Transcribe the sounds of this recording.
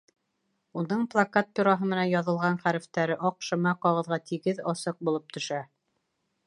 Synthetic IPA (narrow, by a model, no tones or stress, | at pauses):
unɤɴplˠakat̪̚pʲiɾaɦɤmɘ̆nænjɑðɤ̆lˠʁɑnχæɾɘ̆ft̪æɾɘʔɒqʃɤ̆mɑqɑʁɤ̆ðʁɑt̪ʰiɡɘðɑsɤq̚bulˠɤp̚t̪ʰɵ̆ʃæ